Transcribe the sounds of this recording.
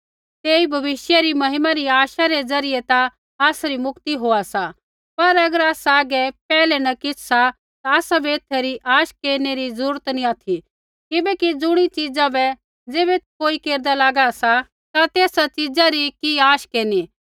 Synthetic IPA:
t̪eːibʱɐʋɪʃjaɾimɐɦɪmaɾiaːʃaɾed͡zɐɾɪjet̪a | aːsɾimʊkt̪iɦoːasa | pɐɾɐɡəɾaːsaːɡɛpɛːlɛnɐkɪt͡ʃʰsa | t̪aaːsabɛɪt̪ʰːɛɾiʔaːʃkeːɾneɾizɐɾuːɾət̪nĩaːt̪ʰi | kɪbɛkid͡zʊɽ̃it͡ʃid͡zabɛ | d͡zeːβɛt̪koːikeːɾd̪alaːɡasa | t̪at̪eːsat͡ʃɪd͡zaɾikiaːʃkeːni

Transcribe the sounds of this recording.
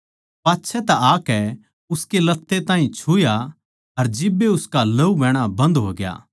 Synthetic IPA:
paːtːʃʰɛt̪ɛaːkɛ | ʊskelɐt̪ːet̪ãːɦĩt͡ʃʰuːja | ɐɾd͡ʒɪbːeʊskalɐubɛ̃ːɽ̃abɐ̃nd̪ɦo̰ːɡɪja̰ː

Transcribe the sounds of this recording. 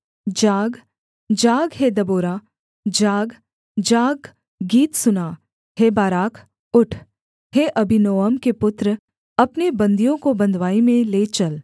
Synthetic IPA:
d͡ʒaːɡ | d͡ʒaːɡɦed̪ɐboːɾaː | d͡ʒaːɡ | d͡ʒaːɡ | ɡiːt̪sʊnaː | heːbaːɾaːkʰ | ʊʈʰ | ɦeːʔɐbinoːəmkepʊt̪ɾ | ɐpnebɐ̃nd̪ijõkobɐ̃nd̪ʱʋaːimẽleːt͡ʃɐl

